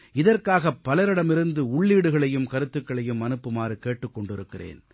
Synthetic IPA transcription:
ɪðɐrkaːɣɐpːɐlɐɾɪɽɐmɪɾɯnd̪ɯʊɭːiːɽɯɣɐɭɐjɯmkɐɾɯt̪ːɯkːɐɭɐjɯmːɐnɯpːɯmaːɾɯkeːʈːɯkːɔɳɖɪɾɯkːɪrḛːn

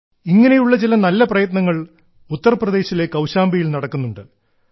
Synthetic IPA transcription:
iŋːɐne̞juɭːɐt͡ɕilɐnɐlːɐprɐjɐt̪nɐŋːɐɭ | ut̪ːɐrɐprɐd̪e̞ːɕile̞kːɐwɕaːmbɐjilnɐɽɐkːunːuɳɖɨ

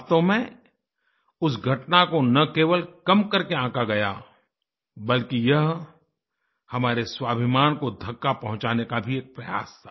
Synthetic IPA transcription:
t̪omɛ̃ | ʊsɡʱɐʈnakonɐkeːʋəlkɐmkɐɾkeãːkaɡɐja̰ | bɐlkijɐɦ | hɐmaːɾeswaːbʱɪmaːnkod̪ʱɐkːapɐ̃ɦʊ̃t͡ʃaːnekabʱieːk̚pɾɐja̰ːst̪ʰḁː

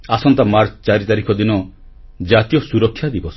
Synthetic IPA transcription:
asɔnt̪amaɾt͡ʃɔt͡ʃaɾit̪aɾikʰɔd̪inɔ | d͡ʒat̪ijɔsuɾɔkʰːjad̪ibɔs

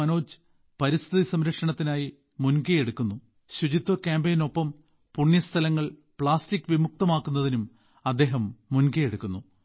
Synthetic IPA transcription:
ɐno̞ːt͡ɕɨ̥ | pɐɾist̪ʰiðisɐmɾɐkʂɐɳɐt̪ːinaːji | munkɐjeɽukːunːu | ɕud͡ʑit̪ːokʲaːmbejno̞pːɐm | puɳjɐst̪ʰɐlɐŋːɐɭpɭaːstikːʋimuk̚t̪ɐmaːkːunːɐðinum | ɐd̪ːe̞ːɦɐmːunkɐjeɽukːunːu

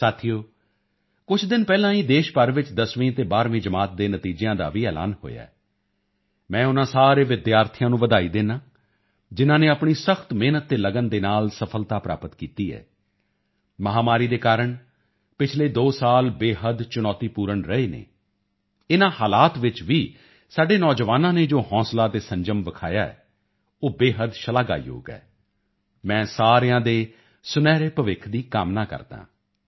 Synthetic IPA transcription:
saːt̪ʰijoː | kʊt͡ʃʰd̪ɪnpɛːlãːiːd̪eːʃpəɾʋɪt͡ʃd̪əsʋĩːt̪eːbaːɾʋĩːd͡ʒəmaːt̪̚d̪eːnət̪iːd͡ʒejãːd̪a̰ːʋiːɛːla̰ːnho̰ːja̰ːɛ | mɛ̃ːʊnãːsaːɾeːʋɪd̪jaːɾt̪ʰɪjãːnũːʋəd̪aːiːd̪eːnãː | d͡ʒɪnãːneːəpɳiːsəxt̪meːnət̪̚d̪eːləɡənd̪eːnaːlsəpʰəlt̪aːpɾa̰ːpət̪kiːt̪iːɛ̰ː | məɦaːmaːɾiːd̪eːkaːɾəɳ | pɪt͡ʃʰleːd̪oːsaːlbeːɦəd̪t͡ʃʊnɔːt̪iːpuːɾəɳɾəeːnḛ̃ː | ɪnãːhaːlaːt̪ʋɪt͡ʃʋiː | saːɖeːnɔːd͡ʒʋaːnãːneːd͡ʒoːhɔ̃ːslaːt̪eːsəɲd͡ʒəmʋəkʰaːjaːɛ̰ː | oːbeːɦəd̪ʃəlaːɡa̰ːjo̰ːɡɛ̰ː | mɛ̃ːsaːɾejãːd̪eː | sʊnɛːɾeːpəʋɪkʰd̪iːkaːmnaːkə̰ɾd̪ã̰ː

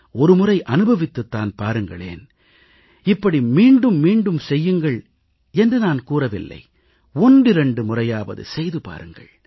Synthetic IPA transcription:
ɔɾɯmʊrɐɪʔɐnɯbɐʋɪt̪ːɯt̪ːaːnpaːɾɯŋɡɐɭḛːn | ɪpːɐɽimiːɳɖɯmːiːɳɖɯmsɛjːɯŋɡɐɭ | ɛndrɯnaːnkuːrɐʋɪ̰lːɐ̰ɪ | ɔndrɯɾɛɳɖɯmʊrɐjaːʋɐ̰ðɯ̰sɛjðɯpa̰ːɾɯŋɡɐ̰ɭ

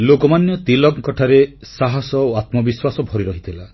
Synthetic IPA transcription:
lokɔmanjɔt̪ilɔɡkɔʈʰaɾesaɦɔsɔoat̪mɔbiswasɔbʱɔɾiɾɔɦit̪ʰila

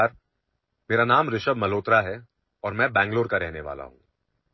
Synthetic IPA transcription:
ɾ | meːɾanaːmɾɪʃəbmɐloːt̪ɾaɦɛ | ɔːɾmɛ̃bɛ̃ːŋɡloːɾkaɾɛɦneʋa̰ːla̰ɦṵ̃ː

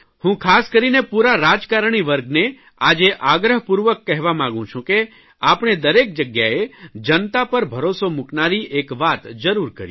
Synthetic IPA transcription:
hũkʰaskəɾinepuɾaɾad͡ʒkaɾɳ̃iʋəɾɡne | ad͡ʒeʔaɡɾəɦpuɾʋəkːɛɦʋamãɡũt͡ʃʰũke | apɳ̃ed̪əɾek̚d͡ʒəɡjaed͡ʒənt̪apəɾbʱəɾosomuknaɾiʔekʋat̪d͡ʒəɾuɾkə̰ɾj

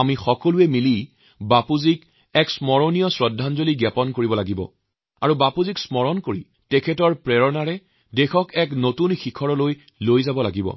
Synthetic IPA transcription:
amixɔkɔluɛmilij | bapuzik | ɛksmɔɹɔnijɔsɹɔdʱːanzoliɡapɔnkoɹibɔlaɡibɔ̰ | a̰ɹubapuziksmɔɹɔnkoɹi | tɛkʰɛtɔɹpɹɛɹɔnaɹɛ | dexɔkɛknotunxikʰɔɹɔloj | lojzabɔlaɡibɔ̰

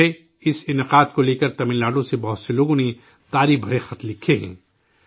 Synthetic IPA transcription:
e | ɪsɪnəqaːd̪koleːkəɾt̪ɐmɪ̃nlaːɖõsebɐɦʊt̪seloːɡõne | t̪aːɾibʱɐɾexɐt̪lɪkʰːeɦɛ̰̃ː

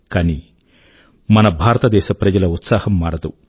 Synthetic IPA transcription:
kaːni | mɐnɐbʱaːɾɐt̪ɐd̪ɛːʃɐpɾɐd͡ʒɐlɐut̪saːhɐmːaːɾɐd̪u

